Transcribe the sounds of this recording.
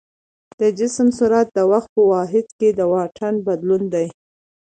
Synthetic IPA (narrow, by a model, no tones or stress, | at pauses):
d̪̥əd͡ʒɪsmsʊɾat̪̚d̪əwaxt̪̚pəwɑɦɪd̪ked̪əwɑʈʰanbad̪lund̪aj